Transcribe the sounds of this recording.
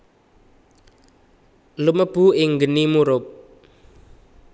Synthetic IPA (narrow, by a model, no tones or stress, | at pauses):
luməb̥uɪŋɡənimuɾʊp̚